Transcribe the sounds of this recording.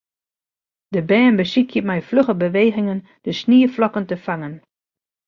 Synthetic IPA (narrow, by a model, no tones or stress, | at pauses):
d̥əbɛːnbəsikʰjəmɛjfløχəbəʋeːɣɪŋən | d̥əsniːəflɔkəntəfaŋən